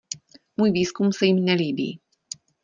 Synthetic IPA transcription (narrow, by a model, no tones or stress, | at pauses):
muːjviːskumsɛjimnɛliːbḭː